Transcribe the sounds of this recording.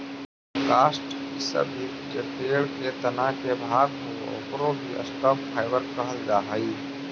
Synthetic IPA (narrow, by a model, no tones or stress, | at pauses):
kaːsʈkisɐ̰bʱi | t͡ʃepeːɭket̪ɐnaːkebʱaːɡko̰o̰ːpɾõbʱiʔə̰sʈaːppʰaːɪʋəɾkəɦəld͡ʒaːɦaiː